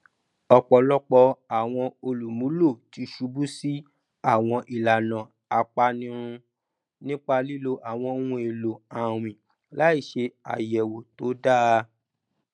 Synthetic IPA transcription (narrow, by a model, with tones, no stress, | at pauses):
ɔ˧k͡pɔ˧lɔ˦k͡pɔ˧a˨w̃ɔ̃˧o˧lu˨mũ˨˦lo˦˨ti˧˦ʃu˧bu˦si˦ | a˦˨w̃ɔ̃˧ʔi˨la˨nã˨ | a˧k͡pa˧nĩ˧ɾ̃ũ˧ | nĩ˦k͡pa˧li˦lo˧ʔa˨w̃ɔ̃˧˦ũ˧˦e˨lo˨a˨ɾ̃ĩ˨ | la˦i˦˨ʃe˧a̰˨jɛ˨wo˨to˨˦da˦˧